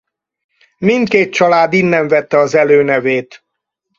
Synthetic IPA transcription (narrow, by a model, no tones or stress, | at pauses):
mint̪keːt̪̚t͡ʃɒlaːd̪inːɛɱvɛt̪ːɛɒzɛløːnɛveːt̪